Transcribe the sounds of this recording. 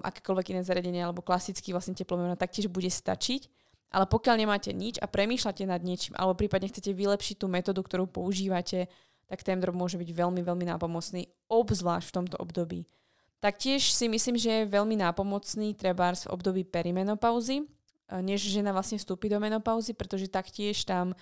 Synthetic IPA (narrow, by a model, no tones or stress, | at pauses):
ʔa̰kɛ̥ːkɔlʋɛɡinɛːzaɾɪaɟɛɲɪɛalɛbɔklasit͡skiʋlasɲɛcɛplɔmɛmnat̪ak̚cɪɛʒbuɟɛst̪a̰t͡ʃic | ʔa̰lɛpɔkɪalɲɛmaːcɛ̰ɲit͡ʃa̰pɾɛmiːʃlacɛnad̪ɲɪɛt͡ʃiːmʔa̰lɛbɔpɾiːpad̪ɲɛxt͡sɛcɛʋilɛpʃic̚t̪uːmɛt̪ɔːd̪ukt̪ɔɾuːpɔuʒiːʋacɛ | t̪akt̪ɛnd̪ɾɔbmʊɔʒɛbiɟʋɛlmiʋɛlmina̰ːpɔmɔt͡sniː | ɔbzʋlaːʃcft̪ɔmt̪ɔʔɔ̰bd̪ɔbḭː | t̪ak̚cɪɛʃsimisliːmʒɛjɛʋɛʎminaːpɔmɔt͡sniːt̪ɾɛbaːɾzvɔ̰bd̪ɔbiːpɛɾimɛnɔpaʊzi | ɲɛʒʒɛnaʋlasɲɛfst̪uːpiːd̪ɔmɛnɔpaʊzipɾɛt̪ɔʒɛt̪akcɪɛʃt̪am